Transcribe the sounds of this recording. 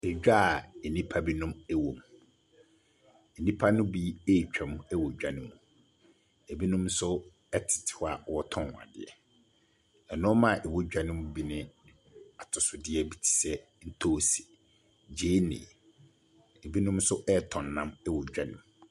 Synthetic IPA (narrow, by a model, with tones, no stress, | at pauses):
ɛ˨d͡ʑᶣa˦˨ɛ˨nĩ˦pʰa˦bi˦nʊ̃˦mɛ˦wo˨m | ɛ˨nĩ˦pʰa˦nʊ̃˦bi˦e˦˨t͡ɕᶣɛ̃˨m˦ɛ˦wo˨d͡ʑᶣa˨nɪ̃˨mũ˨ | ɛ˨bi˦nʊ̃˦msʊ˦ | ɛ˦tʰɪ̥˨tʰɪ̥˨wa˨˦wɔ˦tʰɔ̃˦˨a̰˨dɪ̰˨ɛ̰˨ | ɛ˨nʊ̃˦mã˦˨ʔɛ˨wo˦d͡ʑᶣa˦˨nʊ̃˦m˦bi˦nɪ̃˦ | a˨tʰʊ˨sʊ˨dɪ˦ɛ˦bi˨tʰi̥˨sɛ˦ | n̩˦tʰo˦˨se̥˨ | d͡ʑeː˨˦nḛ̃ː˨ | ɛ˨bi˦nʊ̃˦m˦sʊ˦ʔɛ˦˨tʰɔ̃˨nːã˦mɛ˦wɔ˨d͡ʑᶣa˦˨nʊ̃˨m˨